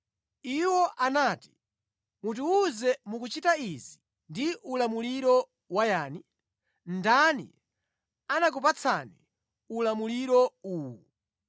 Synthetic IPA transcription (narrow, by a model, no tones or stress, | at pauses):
iwɔʔanaːti̥ | mut̬uuzɛmukut͡ʃitaizi | ndiʔulamuliɾɔ | wajaːni | ndanḭ | anak̬upat͡sʰa̰ni | ulamuliɾɔuːwɔ